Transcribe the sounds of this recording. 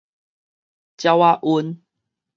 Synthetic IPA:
t͡ɕja˧wa˦˧ʔu˧˦n

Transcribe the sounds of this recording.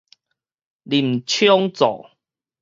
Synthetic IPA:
li˨˩m̩˨t͡ɕʰjɔ˦ŋt͡sɔ̰˨

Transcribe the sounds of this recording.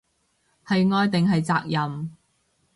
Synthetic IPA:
hɐ˨jŋɔː˧jt̪ɪ˨ŋɦɐ˨jt͡saː˧k̚jɐ˨m

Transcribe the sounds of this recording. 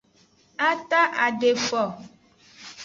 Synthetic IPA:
a˦t̪a˦ʔa˨ɖe˨fɔ˨

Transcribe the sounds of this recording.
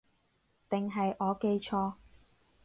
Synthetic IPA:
t̪ɪ˨˩ŋɦɐ˨jʔɔː˨˧ke˧jt͡ʃʰɔː˧

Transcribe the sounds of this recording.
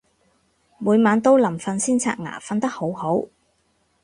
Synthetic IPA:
muː˨˧jmaː˨˧nt̪o˥wlɐ˨˩mfɐ˧nsiː˥nt͡sʰa̰ː˧˥t̚ŋa̰ː˨˩fɐ˧nt̪ɐ˥k̚ho˨˥who˨˥w

